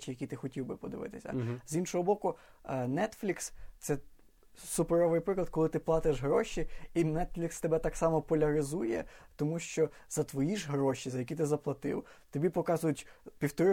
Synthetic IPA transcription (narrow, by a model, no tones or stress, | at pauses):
t͡ʃɪjɐkʲit̪ɪxɔtʲiwbɪpɔd̪ɪʋɪ̰t̪ɪsʲɐ̰zinʃɔɦɔbɔkʊ | nɛt̪flʲikst̪sɛ | sʊpeɾɔʋɪjpɾɪklˠɐd̪̚kɔlˠɪt̪ɪplˠɑt̪ɪʒɦɾɔʃiinɛt̪flʲikst̪ebɛt̪ɑksɑmɔpɔlʲɐɾɪzujɛt̪ɔmuʃt͡ʃɔz̥ɐt̪ʋɔjiʒɦɾɔʃizɐjɐkʲit̪ɪzɐplˠɐt̪ɪ̰w | t̪ɔbʲipɔkɑzʊjʊtʲpʲiwt̪ɔɾɪ